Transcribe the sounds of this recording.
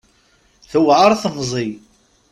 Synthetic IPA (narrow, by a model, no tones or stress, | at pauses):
θəwʕaɾˤθəmzˤi